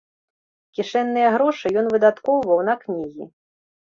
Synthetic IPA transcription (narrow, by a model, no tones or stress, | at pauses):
kʲiʂɛnːɨjɛɣɾɔʂɨjɔnvɨd̪at̪kɔwvɐwnɐknʲiɣʲḭ